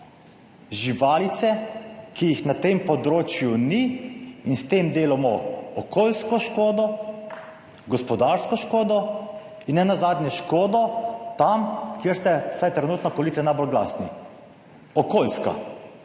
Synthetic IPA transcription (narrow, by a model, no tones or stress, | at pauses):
ʒiʋaːlit̪sɛkijixnat̪empɔd̪ɾoːt͡ʃjuniinst̪emd̪eːlamɔɔkʰoːlskɔʃkoːd̪ɔ | ɡɔspɔd̪aɾskɔʃkoːd̪ɔ | inːɛnazaːd̪nʲjɛʃkoːd̪ɔt̪amkjeːɾst̪ɛsajt̪ɾɛnuːt̪nɔkɔlit̪sɛnajbolɡla̰snḭ | ɔkoːlska̰